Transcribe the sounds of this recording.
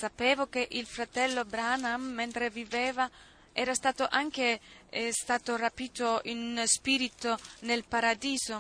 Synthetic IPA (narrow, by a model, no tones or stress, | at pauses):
sapeːvok̟eʔilfɾat̪ɛlːobɾanamːent̪ɾeviveːva | ɛːɾast̪aːt̪oʔaŋk̟est̪aːt̪orapiːt̪oinspiɾit̪onelpaɾad̪iːzo